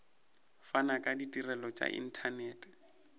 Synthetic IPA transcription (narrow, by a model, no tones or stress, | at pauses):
fanakʼaditʼirɛlɔt͡ʃʼa̰ʔḭn̩tʰanɛːtʼɛ̥